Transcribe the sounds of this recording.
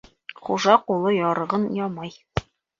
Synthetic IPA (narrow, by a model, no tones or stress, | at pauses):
χuʒɑqulˠɤjɒɾɤ̆ʁɤnjɒmɑj